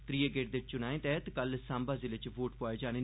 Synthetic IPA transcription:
t̪ɾiːeɡeːʈ̚d̪et͡ʃt͡ʃʊnãːẽːt̪ɛːt̪kəlsãːmbaːzɪlet͡ʃʋoːʈpoaːed͡ʒaːneː

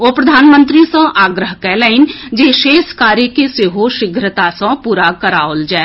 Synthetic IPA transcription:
oːpɾɐd̪ʱaːnmə̃nt̪ɾisə̃ʔaːɡɾəɦkɛːlaɪnd͡ʒeːʃeːskaːɾjəkeseːɦoʃɪɡʱɾət̪asə̃puːɾakəɾaːold͡ʒaː

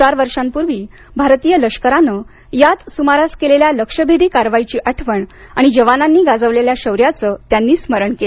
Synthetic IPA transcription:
t͡ɕaɾʋəɾʂampuɾʋiː | bʱaɾt̪ijələʂkəɾanə | jat̪sumaɾaskeleljaləkʂəbʱiɾiːkaɾʋajit͡ɕiːʔəʈʰʋəɳ | aɽ̃id͡ʑəʋananːiːɡad͡zəʋleljaɕəʋɾjat͡səːt̪janːiːsməɾəɳkele

